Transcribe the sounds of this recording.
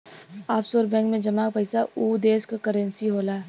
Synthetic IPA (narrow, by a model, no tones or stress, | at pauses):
aːfsoːɾbɛ̃ːŋkmẽd͡ʒɐmaːk̚pəɪsauːd̪eːskkəɾə̃nsiɦoːlaː